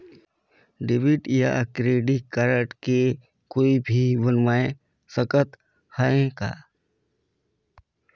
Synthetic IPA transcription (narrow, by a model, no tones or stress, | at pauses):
ɖɪbiʈja̰kɾeːɖikaɾəʈke | koːibʱibənmaːẽ | səkət̪ | haẽka̰ː